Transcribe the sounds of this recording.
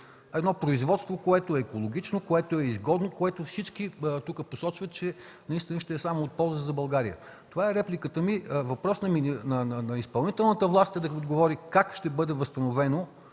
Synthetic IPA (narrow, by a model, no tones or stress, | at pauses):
ɛd̪nɔpɾoizvɔt̪st̪vokoɛt̪ʊɛːkolˠoɡ̟ʲit͡ʃnokoɛt̪oɛizɡɔd̪nokoɛt̪ofsit͡ʃkit̪ukəposɔt͡ʃvɐt̪t͡ʃɛnɐist̪inəʃt̪ɛɛsamoot̪̚pɔlˠzəzɐbɐlˠɡaɾiə̰ | t̪ovaɛɾɛplʲikət̪əmivɐpɾɔsnɐminɐnɐnɐispɐlˠnit̪ɛlˠnət̪əvlˠast̪ɛd̪ɐod̪ɡovɔɾikakʃt̪ɛbɤd̪ɛvɐst̪ɐnovɛno